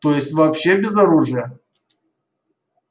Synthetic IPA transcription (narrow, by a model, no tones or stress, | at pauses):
t̪ojɪsʲtʲvɐpɕːebʲɪzɐɾuʐɨjə